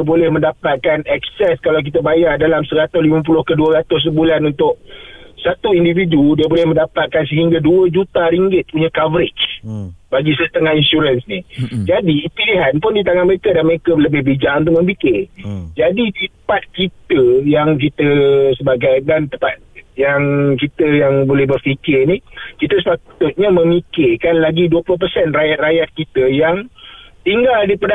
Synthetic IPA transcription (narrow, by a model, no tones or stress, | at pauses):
əbolɛhmə̃ndapat̪̚kanɛk̚sɛskalawk̬it̪əbajardalamsəɾat̪ʊslimə̃p̬ulʊhkəduəɾat̪ʊs̬əbulanunt̪ʊʔ̚sat̪uindividudiəbolɛhməndapat̪̚kans̬əɦiŋɡaduəd͡ʒut̪aɾiŋɡɪt̪̚puɲakavəɾɪt͡ʃbaɡisəst̪əŋahinsuɾənsnid͡ʒadipiliɦanpʊndit̪̬aŋaməɾekədanməɾekələbɪhbid͡ʒaʔunt̪̬ʊk̚mə̃mpikɪrd͡ʒaditəpat̪̚kit̪əjaŋk̬it̪əsəbaɡajdant̪əmpat̪̚jaŋk̬it̪əjaŋbolɛhbərfikɪrnikit̪əsəpat̪ʊt̪̚ɲamə̃mikɪrkanlaɡiduəplʊhp̬əsɛnrajat̪̚rajat̪̚kit̪əjaŋt̪iŋɡaldipada